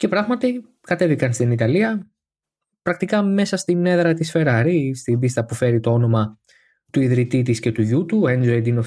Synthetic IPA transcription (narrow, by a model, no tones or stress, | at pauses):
ce̞pɾɐɣmɐt̪i | kɐt̪e̞vikɐnst̪init̪ɐliɐ | pɾɐk̚t̪ikɐme̞sɐst̪ine̞ðɾɐt̪isfe̞ɾɐɾist̪ibist̪ɐpufe̞ɾit̪o̞o̞no̞mɐ | t̪uiðɾit̪it̪isce̞t̪uʝut̪uend͡ʒoed̪inof